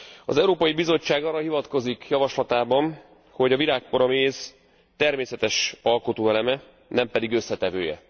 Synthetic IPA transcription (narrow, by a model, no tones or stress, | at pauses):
ɒ̰zɛuɾoːpɒjibizo̞t͡ʃːaːɡɒrːɒhivɒt̪ko̞zikjɒvɒʃlɒt̪aːbɒn | ho̞ɟɒvilaːk̚poɾɒmeːz̥ | t̪ɛrmeːsɛt̪ɛʃɒlko̞t̪oːɛlɛmɛ | nɛmpɛd̪iɡø̞sːɛt̪ɛvøːjɛ̰